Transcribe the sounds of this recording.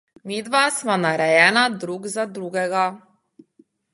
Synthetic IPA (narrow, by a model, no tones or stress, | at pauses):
mid̪ʋasmanaɾɛjɛnad̪ɾuɡzad̪ɾuɡɛɡa